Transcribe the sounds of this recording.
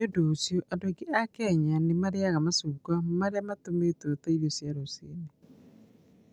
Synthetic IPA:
odosjoʔadoaɡeʔakɛɲanemaɾeaɣamasuɡwamaɾeamatometoɾotaiɾjosjaɾosḛːne

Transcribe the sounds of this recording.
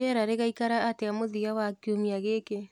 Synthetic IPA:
ɛɾaɾeɣaikaɾaːteamoðiawakiomiaɣeke

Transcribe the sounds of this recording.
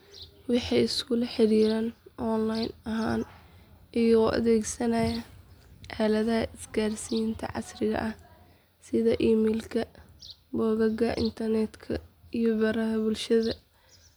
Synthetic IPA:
wɑħɑɪskʰʊlɐħɪɾiːɾɐnʔɔnlajnɐɦaːn | ɪjɔɔʔɐ̰ðɛːɡsɐnɐjɐʔaːlɐðɐhɐʔɪsɡaːrsijɪnt̪ʰɐ̰ʕɑ̰srɪɣɐ̰ʔɐh | sɪðɐʔiːmɛːlkʰɐbɔːɣɐɡɐʔɪ̰nt̪ʰɐrnɛt̪kʰɐijɔbɐɾɐɦɐbʊlʃɐðɐ

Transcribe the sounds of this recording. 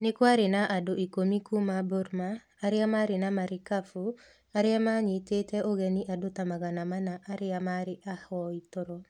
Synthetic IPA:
nɪkwaɾɪnaʔadoʔikomikumaboɾmaː | ɾɪamaɾɪnamaɾɪkafu | aɾɪamaɲitetɛʔoɣɛniʔadotamaɣanamanaʔaɾɪamaɾɪʔahɔitoɾɔ

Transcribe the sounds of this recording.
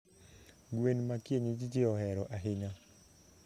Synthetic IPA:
ɡwenmakjeɲid͡ʒit͡ʃiɔhɛɾɔʔaɦɪɲa

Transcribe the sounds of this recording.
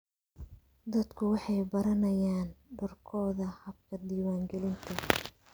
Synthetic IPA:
d̪ɐd̪kʰʊwɑħɑjbɐɾɐnɐjaːnɖʊrkʰɔːðɐhɐb̚kʰɐd̪iːwaːŋɡɛlɪnt̪ʰɐ

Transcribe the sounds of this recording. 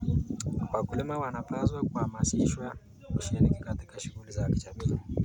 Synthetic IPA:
kwakulimawanapazwakuhamasiʃwa | kuʃiɾikikatikaʃuɣulizakit͡ʃatia

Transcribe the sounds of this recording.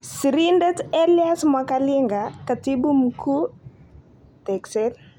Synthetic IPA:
siɾindɛtɛliɛsmwakaliŋɡakatibum̩ku | tɛksɛl

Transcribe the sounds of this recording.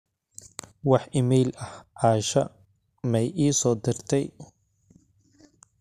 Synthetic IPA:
wɑħʔɪmɛjlɐhʕɑːʃɐ | mɛjʔiːsɔːd̪ɪrt̪ʰɛj

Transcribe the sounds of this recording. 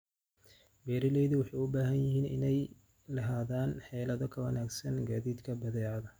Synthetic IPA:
bɛːɾɪlɛjðɪwɑħɑjʊbaːɦɐnjɪhiːnɪ̰nɛj | lɐɦaːðaːnħɛːlɐðɔkʰɐwɐnaːɡsɐnɡaːðiːd̪kʰɐbɐðɛːʕaðɐ

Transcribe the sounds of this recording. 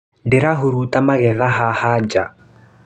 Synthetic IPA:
ndɪɾaɦuɾutamaɣɛðaɦahad͡ʒa

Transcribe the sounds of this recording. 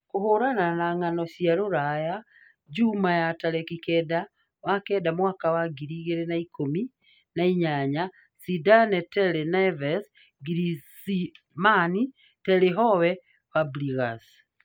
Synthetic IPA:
kohoɾananaŋanɔsiaɾoɾaja | d͡ʒumajatalɛkikɛda | wakɛdamwakawaɡiɾiːɣeɾenaikomi | naiɲaɲa | sidanɛtɛlenavɛs | ɡiɾisi | mani | tɛleɦɔwɛ | pabliɣas

